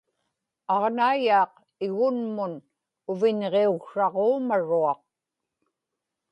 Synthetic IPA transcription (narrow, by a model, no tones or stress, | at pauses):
ɑʁnaːjɑːq̚ | ɪɣʊnmʊn | ʊvɪɲʁeuɣʂɑʁoːmaɻuɑq̚